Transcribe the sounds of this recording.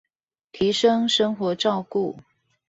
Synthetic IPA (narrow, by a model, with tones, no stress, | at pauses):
t̪ʰi˨˦˥ʂə˦ŋʂə˥ŋxwɔ˧˥ʈ͡ʂɑ˥˧ʊku˥˨